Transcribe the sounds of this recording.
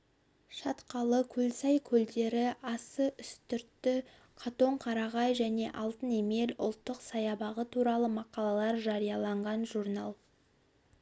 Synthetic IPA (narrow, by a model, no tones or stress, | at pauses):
ʃɑt̪qɑlˠəkʲʰɵlsɑjkʲʰɵld̪e̞ɾɪɑsəʔʏst̪ʏɾt̪ːɪ | qʰɑt̪o̞ɴqʰɑɾɑʁɑjʒæne̞ʔɑlˠt̪əne̞me̞lʊ̰lˠt̪ːəqsɑjɑbɑʁət̪ʰuɾɑlˠəmɑqɑlˠɑlˠɑɾʒɑɾijɑlˠɑɴʁɑnʒurnɑlˠ